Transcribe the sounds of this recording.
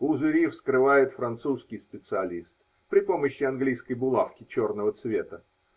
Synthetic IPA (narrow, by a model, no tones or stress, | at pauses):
ʊzvʲɪɾʲifskɾɨvajɪt̪fɾɐnt̪suskʲɪjspʲɪt̪sɨɐlʲist̪ | pɾʲɪpoməɕːɪɐnɡlʲijskəjbʊlˠafkʲɪt͡ɕo̞rnəvət̪svʲe̞t̪ə